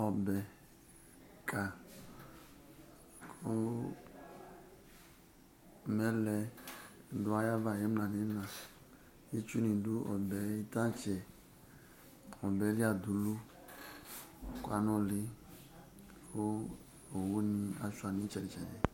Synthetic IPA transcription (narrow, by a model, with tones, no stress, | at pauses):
ɔ˨bɛ˨ | kʰa˨ | ko˦ | mɛ˦lɛ˨ | du˨˦a˦ja˦va˨je˦m˦a˨ne˨˦na˨ | i˦t͡ʃu˦ni˨du˦ʔɔ̰˨bɛ˨i˦ta˦t͡ʃɛ˨ | ɔ˨bɛ˨˦li˦a˨du˨lu˦ | kwa˨no˦li˦ | ko˦ | o˨wu˦ni˨a˨su˦a˨ni˦t͡ʃɛ˨ɾi˨t͡ʃɛ˨d͡ʒɛ˨